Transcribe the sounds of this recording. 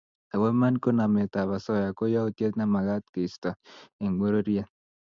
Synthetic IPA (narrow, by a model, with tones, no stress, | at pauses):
a˨wɛ˦ma˦nko˦na˨me˨ta˨βa˨sɔ˦ja˨ko˦jɔ˦o˦tje˦t̪̚na˦ma˨ɣa˦t̪̚ki˨stɔ˨e˨ŋ˨ɡ͡bo˦ɾo˦ɾi˦a˦